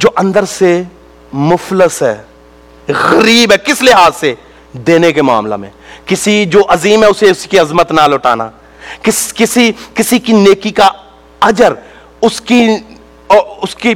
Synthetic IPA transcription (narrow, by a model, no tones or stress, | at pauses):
d͡ʒoːʔɐ̃nd̪əɾse | mʊfləsɦɛː | ɣɐɾiːbɦɛːkɪslɪɦaːzse | d̪eːnekema̰ːmla̰mḛ̃ːkɪsid͡ʒoːʔɐziːmɦɛʊseʊskiɐzmət̪naːlʊʈʰa̰ːna̰ː | kɪskɪsikɪsikineːkika | ɐd͡ʒəɾ | ʊski | ɔʊski